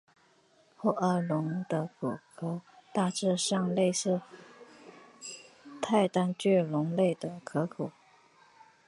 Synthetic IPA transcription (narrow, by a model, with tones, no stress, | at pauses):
xɔ˥ʔə˧˩lʊ˧˥ŋd̪ə˧ku˨˩kʰo˧˥t̪a˥˧ʈ͡ʂɻ̩˥˧ʂɑ˥˧ŋle˥˧ɪʂɻ̩˥˧ | t̪ʰa˥˧ɪt̪a˥nt͡ɕɛ˥˩lʊ˧˥ŋle˥˩ɪd̪ə˩kʰɤ˧˥kʰu˨˩˦